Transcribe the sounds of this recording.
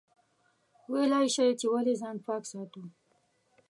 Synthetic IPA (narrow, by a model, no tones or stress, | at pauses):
welɑjʃajet͡ʃewalezɑnpɑksɑt̪u